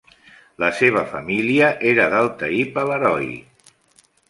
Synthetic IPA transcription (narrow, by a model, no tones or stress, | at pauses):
ləseβ̞əfəmiliəʔeɾəðalˠt̪əipaləɾɔj